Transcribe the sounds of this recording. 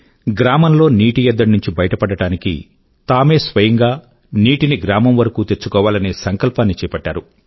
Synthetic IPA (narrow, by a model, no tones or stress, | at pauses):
ɡɾaːmɐnlo̞ːniːʈijɛd̪ːɐnuɲt͡ʃibɐjɐʈɐpɐɽɐɽaːnikḭ | t̪aːme̞ːsʋɐjɐŋɡaː | niːʈiniɡɾaːmɐmʋɐɾɐkuːt̪et͡ʃːukɔːʋaːlɐneːsɐŋkɐlpaːnːit͡ʃɛːpɐʈːa̰ːɾu